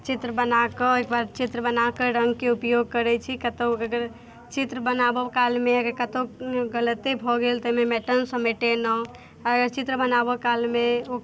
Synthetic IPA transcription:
t͡ʃit̪ɾəbənakəekbaɾt͡ʃit̪ɾəbənakəɾə̃ŋɡkeupjoɡ̚kəɾɛt͡ʃʰikət̪oəɡəɾ | t͡ʃit̪ɾəbənabɔkalmeəɡəɾkət̪oɡələt̪ibʱɔɡelt̪əmemɛʈənsə̃meʈenɔ | ɔɾəɡəɾt͡ʃit̪ɾəbənabɔkalmeo

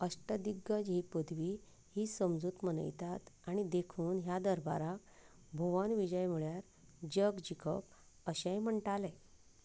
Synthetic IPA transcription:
əsʈəd̪iɡəd͡ʑɦiːpəd̪ʋiː | hiːsəmd͡zuːt̪mənə̰jt̪at̪aɽ̃id̪ekʰuːnɦjad̪əɾbaɾak̚ | bʱoʋanʋid͡ʑəjm̤uɭjaɾ | d͡ʑəɡd͡ʑikʰə̰p | əɕẽjm̤əɳʈalɛ

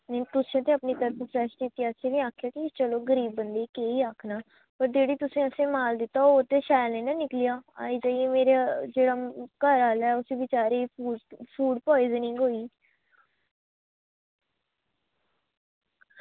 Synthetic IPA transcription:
nt̪ʊsẽət̪ʰẽəpniːt̪əɾt̪əfɾɛːʃɪt̪ːiəʃʰeːʋĩaːkʰjaːkit͡ʃəloːɡəɾiːbːənd̪eːkeːiːaːkʰnaː | pəɾd͡ʒeːɽiːt̪ʊsẽəsẽːmaːld̪ɪt̪ːaːoːt̪eːʃaːjlnẽːnanɪklijaːa̰ːiːd͡ʒaːiemeːɾed͡ʒeːɽakəɾaːlaɛːʊsiːbɪt͡ʃaːɾeːfuːfʰuːɖpɔːɪznɪ̃ːɡoːiː

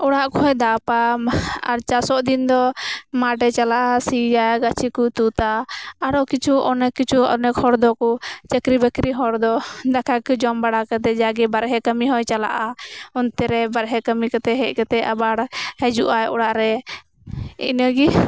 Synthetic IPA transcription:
ɔɽaʔkɔɦɔjd̪apaa̰ɾt͡ʃasɔʔd̪ind̪ɔmaɖɛt͡ʃalaʔasid͡ʒaɡat͡ʃʰikut̪ut̪aːɽɔkit͡ʃʰuɔnɛkːit͡ʃʰuɔ̰nɛkhɔɾd̪ɔkɔt͡ʃəkɾibəkɾiɦɔɾd̪ɔd̪akʰakd͡ʒɔmbaɽakɛt̪ɛd͡ʒaɡɛbaɾɦɛkəmiɦɔjt͡ʃala̰ʔaɔnt̪ɛɾɛbaɾɦɛkəmikɛt̪ɛɦɛʔkɛt̪ɛʔabaɽhɛd͡ʒuʔajɔɽaʔɾɛ | ḭnəɡi

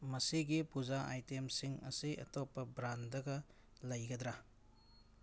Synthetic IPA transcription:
mɐsiɡipuzaʔajtemsiŋɐ̰siʔɐ̰topːɐbɾandɐɡɐ | lɐjɡɐd̪ɾa

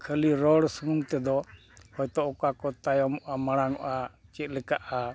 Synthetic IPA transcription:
kʰəliɾɔɽsunt̪ɛd̪ɔ | hɔjt̪ɔɔkakɔt̪ajɔmɔʔamaɽ̃aŋɔʔat͡ʃɛt̪̚ˀlɛkaʔa

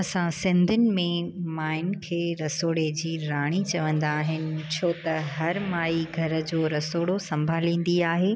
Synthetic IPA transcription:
ɐsãsɪ̃nd̪ʱʊnɪ̆mẽmaːɪnkʰeːɾɐsoːɽed͡ʑiːɾaːɽ̃it͡ɕɐʋə̃nd̪aːɦɪnɪ̆t͡ɕʰoːt̪ɐɦɐɾmaːiɡʱɐɾə̆d͡ʑoːɾɐsoːɽosɐ̃mbʱaːlĩːn̆d̪iaːɦeː

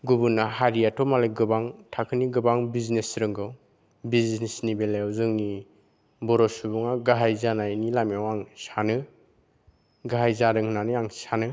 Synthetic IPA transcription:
ɡubunːaɦaɾijatʰɔmaleɡɯbaŋtʰakʰɯniɡɯbaŋbiznesɾɯŋɡɯw | biznnesnibelajɔwzɯŋni | bɔɾɔsubuŋaɡaɦajzanajnilamiawaŋsanɯ | ɡaɦajzaɾɯŋhɯnaniaŋsanɯ

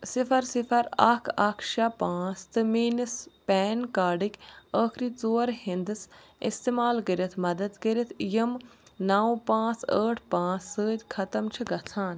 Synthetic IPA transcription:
sifʰɐɾsifʰɐɾɐ̰kʰɐkʰʃapãːt͡st̪ɨmiːnɨspɛːnkaːɖikəːkʰɾiːt͡soːɾhind̪ɨs | ḭst̪eːmaːlkəɾit̪ʰmɐd̪ɐd̪kəɾit̪ʰjɐmnaːũpãːt͡sə̰ːʈʰpãːt͡sːəːd͡ʒkʰɐt̪ɐmt͡ʃʰiɡɐt͡sʰãːn

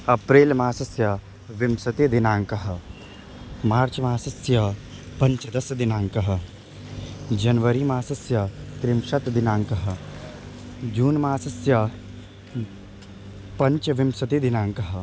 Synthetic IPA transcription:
ɐpɾeːlmaːsɐsjɐ | ʋɪmsɐt̪ed̪ɪnaːŋkɐɦ̆ | maːɾt͡ʃmaːsɐsjɐpɐ̃ɲt͡ʃd̪ɐsd̪ɪnaːŋkɐɦə̆ | d͡ʒɐnʋəɾimaːsɐsjɐt̪ɾɪmʃɐt̪d̪ɪnaːŋkɐɦə̆ | d͡ʒuːnmaːsɐsjɐ | pɐɲt͡ʃʋɪmsɐt̪ed̪ɪnaːŋkɐɦə

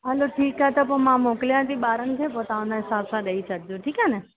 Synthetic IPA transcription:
ɦəloʈʰiːkɦɛt̪opomãmokljãt̪ʰiɓaɾənkʰepot̪ãõnaɦɪsabsaɗəit͡ʃək̚d͡ʒõʈʰiːkɛnɛ

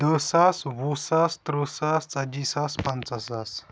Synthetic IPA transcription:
d̪əsaswusast̪ɾəsast͡sɐd͡ʒisaspɐnt͡sasas

